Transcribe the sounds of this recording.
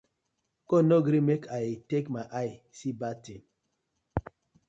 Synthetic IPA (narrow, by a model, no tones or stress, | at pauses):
konɔɡɾĩmekʰatekmaʔaj | sibatin